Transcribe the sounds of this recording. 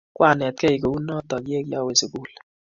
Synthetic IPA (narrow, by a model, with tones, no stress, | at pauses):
kwʔa˦˨nɛ˨t̚kɛ˦i˨ko˨u˦nɔ˦tɔ˨kje˦kjɔ˦we˨sɪ˨ku˦˨l